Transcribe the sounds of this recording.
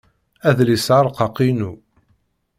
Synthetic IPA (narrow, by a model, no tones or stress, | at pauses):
æðlisʕaɾˤqɑqinu